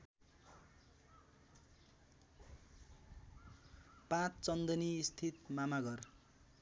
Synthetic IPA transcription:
pãt͡st͡sʌnd̪ʌniːst̪ʰit̪mamaɡʌr

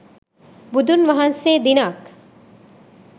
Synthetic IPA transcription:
bud̪ʱunʋɐɦɐnseːd̪inɐk

